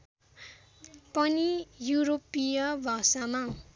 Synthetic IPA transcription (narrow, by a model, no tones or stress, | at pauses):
pʌnijuɾopijʌbʱʌsama